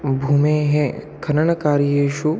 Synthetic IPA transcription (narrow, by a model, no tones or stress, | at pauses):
bʱuːmeːɦẽ | kʰɐnɐɳɐkaːɾjeːʃu